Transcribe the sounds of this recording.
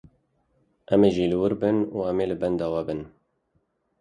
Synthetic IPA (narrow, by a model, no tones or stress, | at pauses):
ʔɛmeʒiːlɨwʊɾbɨnuːɛmeːlɨbɛnd̪ɑːwɛbɨn